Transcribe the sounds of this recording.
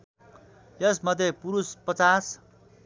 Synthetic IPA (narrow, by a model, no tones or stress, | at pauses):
jʌsmʌd̪ʱepuɾuspʌt͡sas